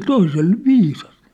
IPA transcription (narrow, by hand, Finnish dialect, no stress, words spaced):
se toisel ʋiːsɑs